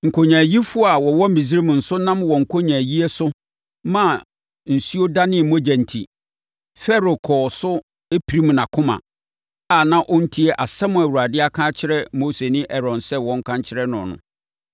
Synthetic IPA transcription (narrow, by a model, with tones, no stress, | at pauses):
ŋ̩˨kʰo˨ɲãː˨ji˦fʊ˦a˨wɔ˨wɔ˦mĩ˨s̬i˦ɾe˦m̃˨n̩˨sʊ˦nã˦mwɔ̃˨ŋ̩˨kʰo˦ɲã˨ji˦ɛ˦sʊ˦ | mã˦˨ | n̩˨su˦o˦da˦nɪ̃˦˨mõ˦d͡ʑɛ̃˨n˨tʰḭ˨ | fɛ˦ɾo˨kʰɔː˨sʊ˦ | e˦pʰi˨ɾi˦m̃˨nã˨kʰʊ̃˦mã̰˨ | a˨nã˦ʔʊ˦n̩˦tʰi˦ɛ˨ʔa˨sɛ˦mʊ̃˨æ˨wu˨a˨dɪ˦a˦kʰãː˦t͡ɕʰɪ˦ɾɛ˦moː˦se˨nɪ̃˦ʔɛ˨ɾɔ̃˨nsɛ˦wɔ̃˨˦ŋ̩˦kʰã˦ɲt͡ɕʰɪ˦ɾɛ˦nʊ̰̃˨nʊ̰̃˨